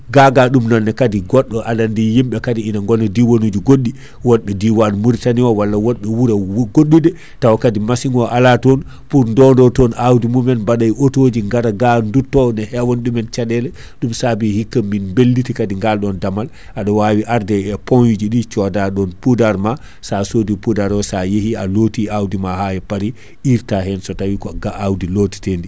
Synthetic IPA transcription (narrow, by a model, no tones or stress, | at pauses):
ɡaɡaɗumnɔnːɛkadiɡɔɗːɔʔalandijimɓɛkadiinaŋɡɔnːɔdiwonud͡ʒiɡoɗːi | wɔɗɓɛdiwanmuɾtaniwawalːawɔɗɓɛwuɾɛɡoɗːudɛ | tawakadimasiŋɡɔʔalatɔn | puɾndɔndɔtɔnawdimumɛnbaɗajʔotod͡ʒiŋɡaɾaɡandutːɔnɛhɛwanɗumɛnt͡ʃaɗɛlɛ | ɗumsabihikːamːinmbelːitikadiŋɡalɗɔndamal | ʔaɗɔwawiʔaɾdɛɛpɔnjud͡ʒiɗit͡ʃɔdaɗɔnpudaɾma | sasodipudaɾɔsajehialotiawdimahajɛpaɾi | ʔiɾtaɦɛnsɔtawikɔɡaʔawdiloti̥tendi